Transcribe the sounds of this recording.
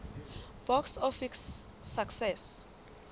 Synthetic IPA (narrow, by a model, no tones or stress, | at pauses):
b̥ɔksɔfiksː | aksɛs